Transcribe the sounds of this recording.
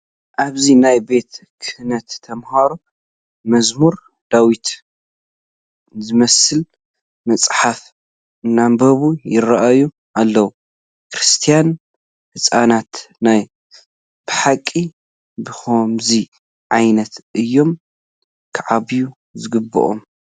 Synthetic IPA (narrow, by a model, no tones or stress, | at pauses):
ʔaβzinajbe̞t̪kʰɨhɨnɐt̪ʰːɐmhaɾu | mɐzmuɾ | d̪̥awit̪ | zɨmɐsɨl | mɐt͡sʼħaf | ɨnːambɐβujɪɾɐʔaju | ʔalːɐwu | kɾɨst̪ʰijan | hɨsʼanat̪naj | b̥ɨħakʼːi | bɨxomzi | ʕajnɐt̪ʔɨjːo̞m | kʰɨʕaβiju | zɨɡɨbːɨ̰ʔo̰m